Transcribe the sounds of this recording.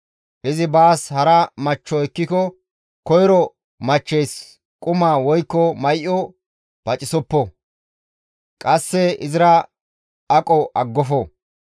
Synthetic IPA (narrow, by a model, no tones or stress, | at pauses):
ʔɪzɪbaːshɐɾɐmɐt͡ʃːɔɛkːɪkɔ | kɔjɾɔ | mɐt͡ʃːɛjs | kʼʊmaːwɔjkːɔmɐjʔɔ | pɐt͡ʃʼɪsɔpːɔ | kʼɐsːɛɪzɪɾɐ | ɐkʼɔʔɐɡːɔfɔ